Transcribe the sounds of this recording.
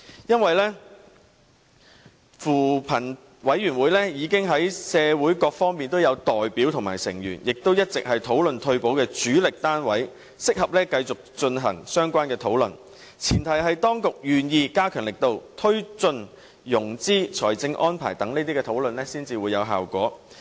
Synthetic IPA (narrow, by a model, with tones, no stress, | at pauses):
jɐ˥nwɐ˨jlɛː˥ | fuː˨˩pʰɐ˨˩n | wɐ˨˥jyː˨˩nwuː˨˧jlɛː˥jiː˨˧kɪ˥ŋɦɐ˨˥jsɛː˨˧wuː˨˥jkɔː˧k̚fɔː˥ŋmiː˨nt̪o˥wjɐ˨˧wt̪ɔː˨jpiː˨˥wt̪ʰʊ˨ŋmaː˨˩jsɪ̰˨˩ŋjyː˨˩njɪ˨k̚t̪o˥wjɐ˥t̚t͡sɪ˨k̚ɦɐ˨jt̪ʰo˨˥wlɵ˨nt̪ʰɵ˧ɥpo˨˥wkɛː˧t͡ʃyː˨˥lɪ˨k̚t̪aː˥nwɐ˨˥j | sɪ˥k̚hɐ˨p̚lɛː˥kɐ˧jt͡sʊ˨k̚t͡ʃɵ˧nɦɐ̰˨˩ŋsœː˥ŋkʷaː˥nkɛː˧t̪ʰo˨˥wlɵ˨n | t͡sʰiː˨˩nt̪ʰɐ˨˩jɦɐ˨jt̪ɔː˥ŋkʊ˨k̚jyː˨˩njiː˧kaː˥kʰœː˨˩nlɪ˨k̚t̪o˧wt̪ʰɵ˥ɥt͡sɵ˧n | jʊ˨˩ŋt͡siː˥t͡ʃʰɔ̰ː˨˩jt͡sɪ˧ŋʔɔː˥npʰa̰ː˨˩jt̪ɐ˨˥ŋne˥t̪i˥kɛː˧t̪ʰo˨˥wlɵ˨nlɛː˥siː˥nt͡siː˨wuː˨˧jɐ˨˧wɦa̰ː˨˩wkʷɔ̰ː˨˥